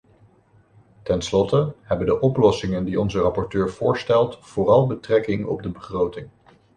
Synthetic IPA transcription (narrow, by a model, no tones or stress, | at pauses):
tɛnslɔtəɦɛbəndəʔɔplɔsɪŋəndiɔnzərɑpɔɹtøːɹv̥ʊːɹstɛlˠtfʊːrɑlˠbətrɛkɪŋɔ̰b̚dəbəχrowtɪŋ